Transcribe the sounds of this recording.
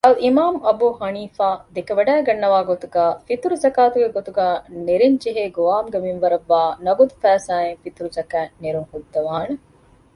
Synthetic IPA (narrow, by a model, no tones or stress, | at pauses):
ɐlʔimaːmɐbuːhɐniːfaːd̪ekɐʋɐɖæːɡɐnːɐʋaːɡot̪uɡaːfit̪uɾuzɐkaːt̪uɡeɡot̪uɡaːneɾiɲd͡ʒeɦeːɡoʋaːmɡɐminʋɐɾɐʋːaːnɐɡud̪ufæːsaːeŋfit̪uɾuzɐkæːneɾuŋhud̪ːɐʋaːne